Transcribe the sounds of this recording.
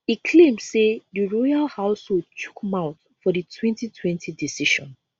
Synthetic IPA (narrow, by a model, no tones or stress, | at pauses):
ikʰlẽmd̥sediɹɔjalhaʊsholdt͡ʃu̥kmãʊ̃t | fɔditʰwɛ̃ntitʰwɛ̃ntʰidisiʃɔ̃n